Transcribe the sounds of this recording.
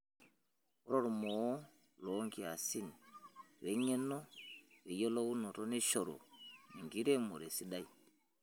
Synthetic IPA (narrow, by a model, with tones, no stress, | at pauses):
ɔ˦ɾɔ˦ɾu˨mɔ˨˦ | lɔ˨˦ŋɡi˦a˨si˦ni˨ | wɛ˨ɲɛ˦nɔ˦wɛ˨jɔ˦lɔ˦u˦nɔ˨ɾɔ˦ni˦ʃɔ˨ɾɔ̰˨ni˨ŋɡi˦ɾɛ˦mɔ˨ɾɛ˨si˦ɗa˦i˨